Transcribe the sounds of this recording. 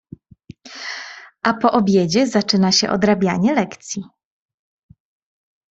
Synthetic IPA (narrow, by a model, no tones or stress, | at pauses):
ʔapɔʔɔbʲjed͡ʑɛzat͡ʂɘnaɕɛ̰ʔɔ̰d̪ɾabʲjaɲɛlɛkt̪sʲji